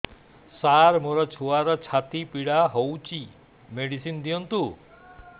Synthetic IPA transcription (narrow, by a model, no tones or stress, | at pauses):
saɾmoɾɔt͡ʃʰuaɾɔt͡ʃʰat̪ipiɽaɦowt͡ʃʰi | meɽisind̪ijɔnt̪u